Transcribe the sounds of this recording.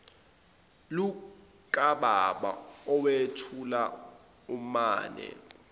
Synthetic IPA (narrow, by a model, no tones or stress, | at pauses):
lu | kʼaɓaɓa̰ɔwetʰula | umaːnɛ̰